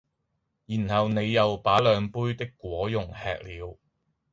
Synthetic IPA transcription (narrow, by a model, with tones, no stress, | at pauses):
jiː˨˩nhɐ˨wne˨˧jːɐ˨wpaː˨˥lœː˨˧ŋpuː˥jt̪ɪ˥kːʷwɔː˨˥jʊ˨˩ŋhɛ̰ː˨k̚liː˨˧w